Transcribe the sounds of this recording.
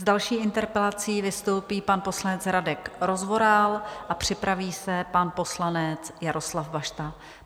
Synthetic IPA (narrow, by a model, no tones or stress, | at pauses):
zdalʃiːʔɪnt̪ɛɾpɛlat͡siːvɪst̪o̞wpiːpanpo̞slanɛt͡sɾadɛkɾo̞zvo̞ɾalʔapr̝̥ɪpɾaviːsɛpanpo̞slanɛt͡sjaɾʔo̞slavbaʃt̪a